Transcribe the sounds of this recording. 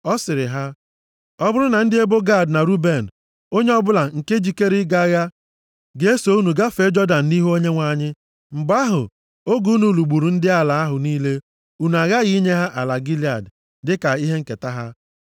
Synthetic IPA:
ɔ˦sɪ˨ɾɪ˨ɦa˦ | ɔ˦bʊ˦ɾʊ˦na˨n̩˦dɪ˦e˦bo˦ɡa˦˨dna˨ɾu˦be˨n̩˨ | o˦ɲe˦ɔ˦bʊ˦la˨ŋ̩˨ke˦d͡ʒi˨ke˦ɾɪ˦ɡa˦ɣa˦ | ɡe˨e˦so˨u˦nu˨ɡa˦fe˨˦d͡ʒɔ˦da˨n̩˨ni˦ɦu˦o˦ɲe˦ŋʷa˨ɲɪ˦ | m̩˨ba˦ɦʊ̰˨ | o˦ɡu˦u˦nu˨lu˨ɡ͡bu˨ɾu˨n̩˦dɪ˦a˦la˨a˦ɦʊ˨niː˦le˦ | u˨nu˨a˨ɣa˦ɣi˦ɲe˦ɦa˦ʔa˨la˨ɡi˦li˨a˨d | dɪ˦ka˨i˦ɦe˦ŋ̩˨ke˨ta˦ɦa˦

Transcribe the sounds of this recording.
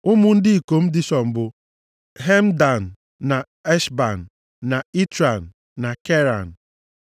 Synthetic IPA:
ʊ˦mʊ˦n̩˦dɪ˦i˨ko˨m̩˦dɪ˦ʃɔ˨m̩˨bʊ˦ | ɦe˦m̩˦da˨n̩˨ | na˨ | e˦ʃba˨n̩ː˨ | a˨i˦tɾa˨n̩ː˨ | a˨ke˦ɾa˨n̩˨

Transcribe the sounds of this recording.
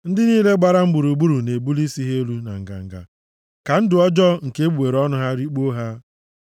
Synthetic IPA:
n̩˦dɪ˦niː˦le˦ɡ͡ba˦ɾa˦ŋ͡m̩˦ɡ͡bu˨ɾu˨ɡ͡bu˦ɾu˨ne˨bu˦li˦si˦ɦe˦lu˦na̰˨ŋ̩˨ɡa̰˨ŋ̩˨ɡa̰˨ | ka˨n̩˦dʊ˨ɔ˦d͡ʒɔ˦ŋ̩˨ke˦bu˨e˨ɾɔ˦nʊ˦ɦa˦ɾi˦k͡po˦ɦa˦

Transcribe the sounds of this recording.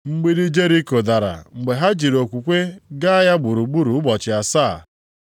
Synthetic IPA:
ŋ͡m̩˦ɡ͡bi˦ɾi˦d͡ʒe˦ɾi˦ko˨da˨ɾa̰˨ŋ͡m̩˨ɡ͡be˨ɦa˦d͡ʒi˨ɾo˨kʷu˨kʷe˦ɡa˦a˦ja˦ɡ͡bu˨ɾu˨ɡ͡bu˦ɾu˨ʊ˦bɔ˨t͡ʃɪ˨a˨saː˦˨

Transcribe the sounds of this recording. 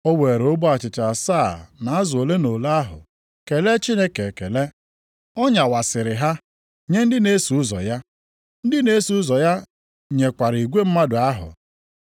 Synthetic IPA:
o˦we˨ɾo˦bu˦a˨t͡ʃɪ˨t͡ʃa˨saː˦˨na˨a˦zʊ˨o˨le˦no˨la˦ɦʊ̰˨ | ke˨le˦t͡ʃi˦ne˦ke˨ke˨le˦ | ɔ˦ɲa˨wa˨sɪ˨ɾɪ˨ɦa˦ | ɲe˦n̩˦dɪ˦ne˦su˨˦ʊ˦zɔ̰˨ja˦ | n̩˦dɪ˦ne˦su˨˦ʊ˦zɔ˨ja˦ | ɲe˨kʷa˨ɾi˨ɡʷe˦m̩˦ma˦dʊ˨a˦ɦʊ̰˨

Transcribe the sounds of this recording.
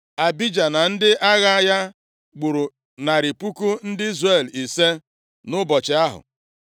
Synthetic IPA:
a˨bi˦d͡ʒa˨na˨n̩˦dɪ˦ʔa˦ɣa˦ja˦ | ɡ͡bu˨ɾu˨ | na˨ɾɪ˨pu˦ku˦n̩˦dɪ˦i˦zre˦˨li˨se˦ | nʊ˦bɔ˨t͡ʃɪ˨a˦ɦʊ̰˨

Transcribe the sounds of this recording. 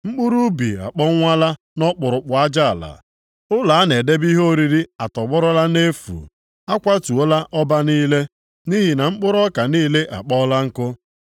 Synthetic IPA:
ŋ͡m̩˦k͡pu˦ɾu˦bḭ˨a̰˨k͡pɔ˦ŋʷa˦la˦ | nɔ˦k͡pʊ˨ɾʊ˨k͡pʊ˨a˦d͡ʒa˦a˨la̰˨ | ʊ˦la˨a˦ne˨de˦bi˦ɦo˦ɾi˨ɾi˦a˨tɔ˨ɡ͡bɔ˦ɾɔ˦la˦ne˦fṵ˨ | a˦kʷa˦tu˨o˦la˦ʔɔ˦ba˦niː˦le˦ | ni˦ɦi˨na˨ŋ͡m̩˦k͡pʊ˦ɾɔ˦ka˨niː˦le˦ʔa̰˨k͡pɔ˦la˦ŋ̩˦kʊ˦

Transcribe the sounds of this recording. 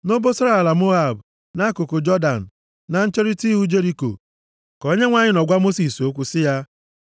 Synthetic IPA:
no˦bo˦so˦ɾa˦˨a˨la˨mo˦a˨b | na˦kʊ˨kʊ˨d͡ʒɔ˦da˨n̩˨ | na˨n̩˦t͡ʃe˦ɾi˦ti˦ɦu˦d͡ʒe˦ɾi˦ko̰˨ | ko˦ɲe˦ŋʷa˦ɲɪ˦nɔ˨ɡʷa˦mo˦si˨so˦kʷu˨sɪ˦ja˦

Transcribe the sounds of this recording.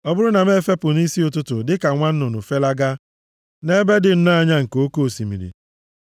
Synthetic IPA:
ɔ˦bʊ˦ɾʊ˦na˨m˦e˦fe˦pʊ˨ni˦si˦ʊ˨tʊ˦tʊ˨dɪ˦ka˨ŋʷa˦n̩˦nʊ˨nʊ˨fe˦la˦ɡa˦ | ne˦be˦dɪ˨n̩˦na˦˨ɲa˦ŋ̩˨ko˦ko˦˨si˨mḭ˨ɾḭ˨

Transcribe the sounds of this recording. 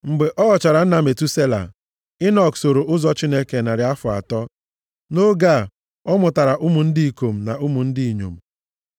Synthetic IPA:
ŋ͡m̩˨ɡ͡be˨ʔɔ˦ɣɔ˨t͡ʃa˨ɾa˨n̩˦na˨me˨tu˦se˦la̰˨ | ɪ˦nɔ˨kso˨ɾo˨ʔʊ˦zɔ˦t͡ʃi˦ne˦ke˨na˨ɾɪ˨a˦fʊ˨a̰˨tɔ˦ | no˦ɡa˦˨ | ɔ˦mʊ˨ta˨ɾa˨ʔʊ˦mʊ˨n̩˦di˦i˨ko˨m̩˨na˨u˦mu˨n̩˦di˦i˨ɲo̰˨m̩˨

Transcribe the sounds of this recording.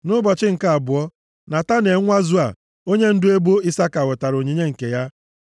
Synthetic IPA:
nʊ˦bɔ˨t͡ʃɪ˦ŋ̩˨ka˨a˨bʊ˨ɔ˦ | na˨ta˦ne˨˦ŋʷa˦zʊ˦a̰˨ | o˦ɲe˦n̩˦dʊ˦e˦bo˦ɪ˦sa˦ka˨wʊ˨ta˨ɾo˨ɲi˨ɲe˦ŋ̩˨ke˨ja˦

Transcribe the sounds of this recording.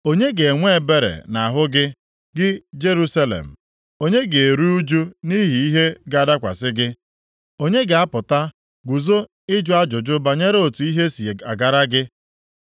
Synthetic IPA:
o˦ɲe˦ɡe˨ŋʷe˦e˨be˦ɾḛ˨na˨ɦʊ˦ɡɪ˦ | ɡɪ˦d͡ʒe˦ɾu˦sa˦lḛ˨m̩˨ | o˦ɲe˦ɡe˨e˨ɾu˦u˦d͡ʒu˦ni˦ɦi˨i˦ɦe˦ɡa˦˨da˦kʷa̰˨sɪ˦ɡɪ˦ | o˦ɲe˦ɡɪ˨a˦pʊ˨ta˦ | ɡu˨zo˦ | ɪ˦d͡ʒʊ˦a˦d͡ʒʊ˨d͡ʒʊ˦ba˨ɲe˦ɾo˨tu˨i˦ɦe˦si˨e˨a˨ɡa˨ɾa˦ɡɪ˦

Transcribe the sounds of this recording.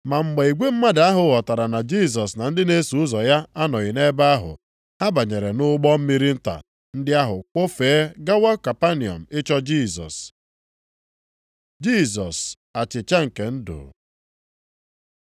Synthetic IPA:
ma˨m̩˨ɡ͡be˨i˨ɡʷe˦m̩˦ma˦da˦ɦʊ˨ɣɔ˨ta˨ɾa˨na˨d͡ʒi˦˨s̬ɔ˨sna˨n̩˦dɪ˦ne˦su˨ʊ˦zɔ˨ja˦a˦nɔ˨ɣɪ˨ne˦ba˦a˦ɦʊ̰˨ | ha˦ba˨ɲe˨ɾe˨nʊ˦ɡ͡bɔ˦m̩˦mi˦ɾi˦n̩˦ta̰˨ | n̩˦dɪ˦a˦ɦʊ˨k͡po˦feː˨˦ɡa˦wa˦ka˨pa˦ni˨ɔ̰˨m̩˨ɪ˦t͡ʃɔ˦d͡ʒi˦˨sɔ̰˨s | d͡ʒi˦˨sɔ˨s | a˨t͡ʃɪ˨t͡ʃa˦ŋ̩˨ke˨n̩˦do̰ː˨

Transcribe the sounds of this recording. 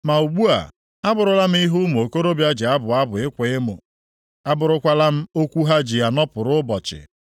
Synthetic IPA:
ma˨u˨ɡ͡bu˦a̰˨ | a˦bʊ˨ɾʊ˨la˦m̩˦i˦ɦʊ˦m˨o˨ko˦ɾo˦bja˦d͡ʒɪ˨a˦bʊ˨a˦bʊ˨ɪ˦kʷe˨ɪ˦mʊ̰˨ | a˦bʊ˨ɾʊ˦kʷa˦la˦m̩˦o˦kʷu˦ɦa˦d͡ʒi˨ja˨nɔ˦pʊ˨ɾʊ˦bɔ˨t͡ʃɪ̰˨

